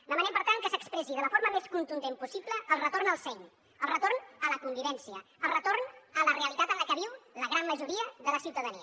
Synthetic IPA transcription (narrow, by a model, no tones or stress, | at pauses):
d̪əmənepəɾt̪aŋkəsəkspɾɛsiðələfoɾməmeskunt̪und̪empusipləʔːlˠrət̪oɾnəlˠsɛɲ | əlˠrət̪ornələkumdiβɛnsiəəlˠrət̪oɾnələreəlit̪at̪ənləkəβiwləɣ̞ɾamːəʒuɾiəðələsiwt̪əðəniə